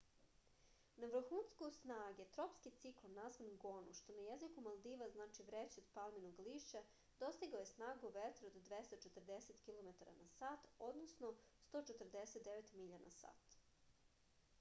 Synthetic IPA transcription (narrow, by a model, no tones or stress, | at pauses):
naʋrɾ̩xunskosnaːɡet̪ɾopskit̪siklˠonnːazʋanɡo̞nuʃt̪o̞najezikumalˠd̪iʋaznaːt͡ʃiʋɾet͡ɕed̪palˠminoɡliʃe | d̪o̞st̪iɡaojesnaːɡuʋet̪ɾod̪d̪ʋest̪at͡ʃet̪ərd̪eset̪kʲilˠo̞met̪aɾa̰nasaːt̪o̞d̪nosnost̪ot͡ʃet̪r̩d̪eset̪d̪eʋet̪miʎanasa̰ːt̪